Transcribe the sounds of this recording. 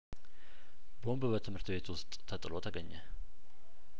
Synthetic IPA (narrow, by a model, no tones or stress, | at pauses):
bombbət̪ʰɨmhɨɾt̪be̞t̪wʊst̪ʼt̪ʰət̪ʼɨlo̞t̪ʰəɡəɲːɛ